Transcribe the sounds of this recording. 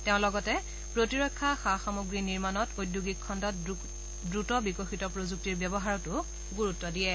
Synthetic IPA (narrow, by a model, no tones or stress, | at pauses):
tɛʊ̃lɔɡɔtɛ | pɹotiɹɔkʰːaxaxamoɡɹiniɹmanɔtojdjuɡikʰːɔndɔt | dɹutɔbikoxitɔpɹozuk̚tiɹbjɛbɔɦaɹɔtʊ | ɡuɹutːɔdiɛ